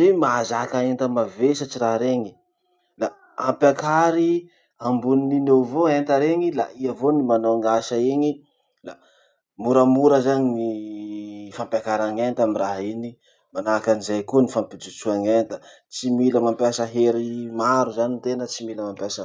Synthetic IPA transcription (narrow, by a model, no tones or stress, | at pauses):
zemazakaent̪əmavesat͡siɾaɾeŋi̥ | la | ampʲakaɾi | ambunininewvoent̪əɾeŋila̰iəvonimanoaŋaʃaeɲi | la̰ | muɾəmuɾəzaɲini | fampjakaɾaŋent̪amiraɦini | manakanizajkuənifampid͡zut͡suaŋent̪ə̥ | t͡similəmampjasəɦeɾimaɾuzanint̪enət͡similəmampjasə